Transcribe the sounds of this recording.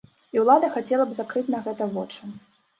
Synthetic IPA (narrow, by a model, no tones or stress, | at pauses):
iwlˠad̪ɐxat͡sʲɛlˠɐbzakɾɨt͡sʲnɐɣɛt̪ɐvɔt͡ʂɨ